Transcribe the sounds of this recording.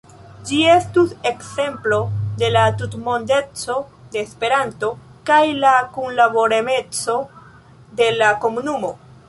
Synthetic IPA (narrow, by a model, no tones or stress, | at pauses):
d͡ʒie̞stuse̞kse̞mplo̞de̞latutmo̞nde̞t͡so̞ | de̞ːspe̞ɾanto̞kajlakunlabo̞ɾeme̞t͡so̞ | de̞lako̞munumo̞